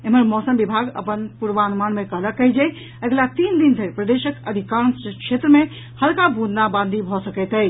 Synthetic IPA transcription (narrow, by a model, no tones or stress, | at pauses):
eməɾmɔsəmbibʱaɡə̰pənpuɾʋanumanmekələkːəjd͡ʒɛj | eɡlat̪ind̪ind̪ʱeɾpɾəd̪eʃəkəd̪ʱikãnskʃʰet̪ɾəme | həlkabʱũd̪ʱnabãnd̪ʱibʱɔsəkɛt̪əj